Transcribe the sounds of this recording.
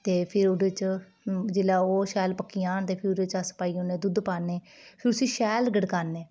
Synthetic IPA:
t̪eːpʰɪɾʊɖət͡ʃ | d͡ʒɪlaːoːʃɛːlpəkːijãːnt̪eːpʰɪɾʊɾət͡ʃasə̥paːiːoːnẽːd̪ʊd̪paːneː | pʰɪɾʊsĩːʃɛːlɡəɽkaːnːeː

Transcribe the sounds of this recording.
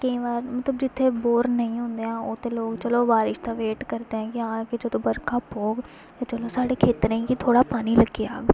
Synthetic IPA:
kəĩʋaːɾmət̪ləbd͡ʒɪt̪ʰːeboːɾnəĩːɦʊ̃nd̪eãːoːt̪eːloːɡt͡ʃəloːbaːɾɪʃt̪aːʋeːʈkəɾt̪eɦɛ̃ːkɪɦãːkɪt͡ʃəd̪õbəɾkaːpoːɡ | jat͡ʃəloːsaːɽeːkʰeːt̪ɾẽĩkit̪ʰoːɽaːpaːniləɡea̰ːɡ

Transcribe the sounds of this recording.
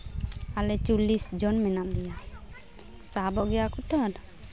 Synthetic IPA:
alɛt͡ʃulisd͡ʒɔnmɛnaʔd̪ɛja | sabɔʔɡɛjakut̪ɔd

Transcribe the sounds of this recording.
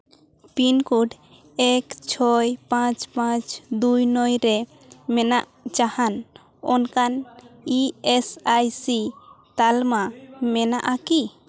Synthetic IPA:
pinkuɖ | ɛkt͡ʃʰɔjpãt͡ʃpãt͡ʃd̪ujnɔjɾɛ | mɛnaʔ | t͡ʃahan | ɔnkaniesajsi | t̪almamɛnaʔaki

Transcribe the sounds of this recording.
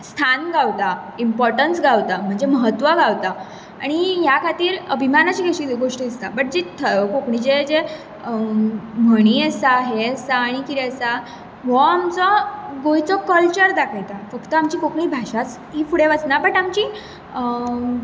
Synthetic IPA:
st̪ʰanɡawt̪a | impɔɾʈənsɡawt̪am̤əɳd͡zeməɦət̪ʋəɡawt̪a | a̰ɽ̃iɦjakʰat̪iːɾəbʱimanat͡ɕiːɡeɕiːɡoʂʈəd̪ist̪abəʈ̚d͡ʑit̪ʰəkokɳit͡ɕed͡ze | m̤əɽ̃iəsaɦeəsaːɽ̃ikit̪ɛəsa | ʋɔamt͡sɔɡojt͡sɔkəlt͡ɕəɾd̪akʰajt̪afəkt̪əamt͡ɕiːkokɳiːbʱaɕat͡s | ɦifuɽeʋət͡snabəʈamt͡ɕiː

